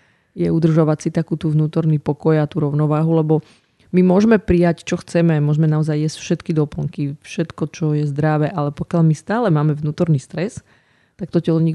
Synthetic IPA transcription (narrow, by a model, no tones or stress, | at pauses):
jɛud̪r̩ʒaʋacsit̪akuːt̪uːʋnuːt̪ɔɾnipɔkɔjat̪uːɾɔʊnɔʋaːɦulɛbɔ | mimʊɔʒmɛpɾijact͡ʃɔxt͡sɛmɛmʊɔʒmɛnaɔzajːjɛscfʃɛt̪kid̪ɔpl̩ŋkifʃɛt̪kɔt͡ʃɔjɛzd̪ɾaʋɛʔalɛpɔkɪalmist̪aːlɛmaːmɛvnuːt̪ɔɾniːst̪ɾɛs | t̪ak̚t̪ɔcɛlɔɲi